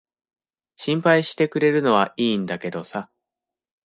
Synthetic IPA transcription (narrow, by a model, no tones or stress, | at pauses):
ɕĩmpaiɕi̥t̪e̞kɯ̟ɾe̞ɾɯ̟no̞β̞aʔiːnd̪ake̞d̪o̞sa